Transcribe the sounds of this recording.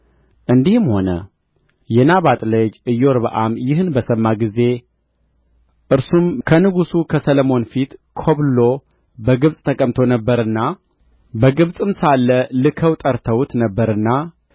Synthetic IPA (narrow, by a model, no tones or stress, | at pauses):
ʔɨnd̪ihɨmho̞nə̰ | jɛnaβat̪ʼlɨd͡ʒɨjːoɾbəʔamjɪɦɨnbəsəmːaɡize̞ | ʔɨɾsumkʰənɨɡusukʰəsələmo̞nfit̪kʰo̞βlo̞ | bəɡɨβsʼt̪ʰəkʼəmt̪ʰo̞nəbːəɾɨnːa | bəɡɨβsʼɨmsalːəlɨkʰəwt̪ʼəɾt̪ʰəwt̪nəbːəɾɨnːa